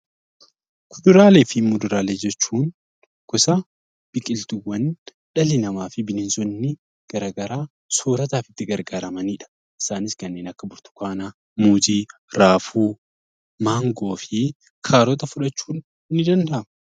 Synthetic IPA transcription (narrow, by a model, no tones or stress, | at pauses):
kʰʊd̪ʊɾaːleːfɪmːʊd̪ʊɾaːleːd͡ʒɛt͡ʃːuːn | kʊsa | b̥ɪkʼɪlt̪ʊwːɐn | ᶑɐlɪnɐmaːfɪbɪnɪnsɔnːɪ | ɡ̥ɐɾaːɡɐɾaː | soːɾɐt̪aːfɪt̪ːɪɡɐɾɡaːɾɐmɐniːᶑɐ̥ | ʔɪ̥saːnɪskɐnːe̞ːnɐkːɐbʊɾt̪ʊ̥kaːna | muːd͡ʒiːɾaːfuː | maːŋɡo̞ːfɪ | kʰaːɾɔt̪ɐfʊᶑɐt͡ʃːuːn | nːɪd̪ɐnd̪ɐʔɐmʊ